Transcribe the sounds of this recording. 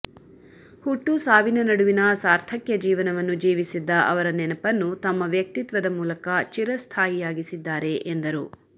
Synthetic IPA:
huʈːusaːʋinɐnɐɽuʋinɐsaːɾt̪ʰɐkjɐd͡ʒiːʋɐnɐʋɐnːud͡ʒiːʋisid̪ːɐʔɐʋɐɾɐnɛnɐpɐnːut̪ɐmːɐʋjɐk̚t̪it̪ʋɐd̪ɐmuːlɐkɐt͡ʃiɾɐst̪ʰaːjijaːɡisid̪ːaːɾe̞ʔend̪ɐɾu

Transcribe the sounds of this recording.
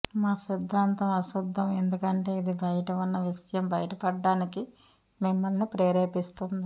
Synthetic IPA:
maːsid̪ʱːaːnt̪ɐmɐsud̪ʱːɐme̞nd̪ukɐɳʈe̞ːid̪ibɐjɐʈɐʋɐnːɐʋiʃɐjɐmbɐjɐʈɐpɐɖːaːniki | mimːɐlnipɾeːɾeːpist̪und̪i

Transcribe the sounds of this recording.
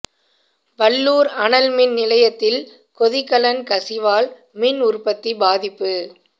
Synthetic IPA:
ʋɐɭːuːɾɐɳɐlmɪnnɪlɐjɐt̪ːɪl | kɔðɪkːɐlɐnkɐsɪʋaːl | mɪnʊɾpɐt̪ːibaːðɪpːɯ

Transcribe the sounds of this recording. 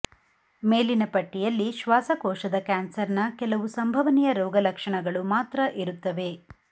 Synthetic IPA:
meːlinɐpɐʈːijɐlːiʃʋaːsɐkɔːʃɐd̪ɐkaːnsɐɾnɐkɛlɐʋusɐmbʱɐʋɐnijɐɾɔːɡɐlɐkʂɐɳɐɡɐɭumaːt̪ɾɐʔiɾut̪ːɐʋe̞

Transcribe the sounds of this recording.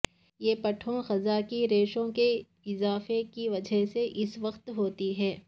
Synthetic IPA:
jeːpɐʈʰõxɐzakiɾeːʃõke | ɪzaːfekiʋɐd͡ʒʱɛɦseʔɪsʋɐqt̪ɦoːt̪iɦɛː

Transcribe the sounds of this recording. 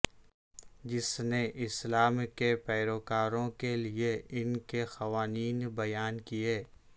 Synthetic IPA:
d͡ʒɪsneʔɪslaːmkepɛːɾoːkaːɾõkelieɪnkexɐʋaːniːnbɐjaːnkijeː

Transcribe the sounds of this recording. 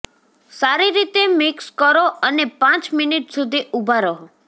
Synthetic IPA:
saɾiɾit̪emɪkskəɾoənepãt͡ʃminiʈsud̪ʱiubʱaɾo

